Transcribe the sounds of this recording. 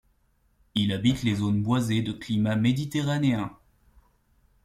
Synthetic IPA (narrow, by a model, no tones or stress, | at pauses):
ilabit̪lezonbwazed̪əklimamed̪it̪eʁaneɛ̃